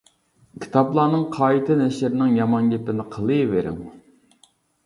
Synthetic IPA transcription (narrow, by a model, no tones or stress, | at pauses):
kʲʰi̥t̪ʰɑblˠɑːnɨŋqʰɑːit̪ʰɨnɛʃɪɾnɪŋjɑmɑnɡʲɛpɪnɪqʰəlˠɨveɾɪ̰ŋ